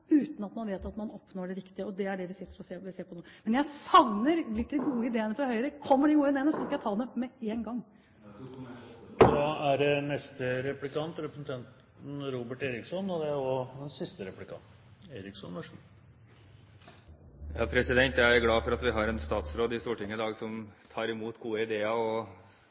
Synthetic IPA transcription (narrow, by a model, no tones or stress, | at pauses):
ʉːt̪nɑt̪mɑnʋeːt̪ɑt̪mɑnɔpnoːɖɛɾɪkt̪ɪəɔd̪ɛæɖɛʋɪsɪt̪ːəɾɔseːɪseːɾpʰɔnoːmɛnjæɪsɑʋnəɾlɪt̪ːɪɡuːəɪd̪eːənəfɾɑhœʏəɾəkʰɔmːəɖɪɡuːəɪd̪eːənəsɔskɑjæɪt̪ʰɑːd̪ɛmɛeːnɡɑŋː | d̪ɑæɖɛnɛst̪əɾɛplɪkɑnt̪ɾɛpɾəsn̩t̪ʰɛnt̪ | n̩ɾuːbəʈeːɾɪksɔnɔd̪ɛæɾɔd̪ɛnsɪst̪əɾɛplɪkʰɑ̰nt̪ | eːɾɪksɔnʋæʂ | jɑ̰ːpʰɾɛsɪd̪ɛnt̪jæɪæɾɡlɑːfɔɾɑt̪ʋɪɦɑɾɛnst̪ɑːt̪sɾoːd̪ɪst̪uːʈɪŋːəɪd̪ɑːɡsɔmt̪ʰɑːɾɪmuːt̪ɡuːəɪd̪eːɑɔ